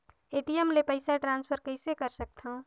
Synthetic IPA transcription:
eːʈijɛmlepɐɪsaʈɾãːnspʰəɾkəɪsekəɾsək̚t̪ʰã

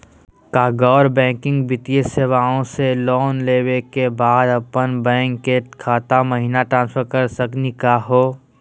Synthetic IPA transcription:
kaːɡɔːɾbɛ̃ːkɪ̃ŋɡbɪt̪ieseːʋaːõselɔːnleːwekebaːd̪ɐpənbɛ̃ːŋkeʈkʰaːt̪aməɦiːnaʈɾãːnsfəɾkəɾsəknikaɦoː

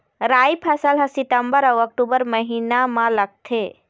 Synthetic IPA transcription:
ɾajpʰəsəlɦəsiʈəmbəɾəwək̚ʈubəɾməɦinamãləɡ̚t̪ʰe

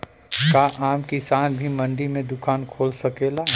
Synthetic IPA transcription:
kaʔaːmkisaːnbʱimɐ̃ɳɖimẽd̪ʊkʰaːnkʰoːlsɐkeːla

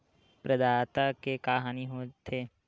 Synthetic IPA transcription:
pɾɐd̪aːt̪akekaːɦaːniɦot̪ʰeː

